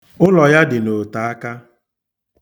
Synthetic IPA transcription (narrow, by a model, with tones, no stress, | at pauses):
ʊ˦lɔ˨ja˦dɪ˨no˨ta˨a˦ka˦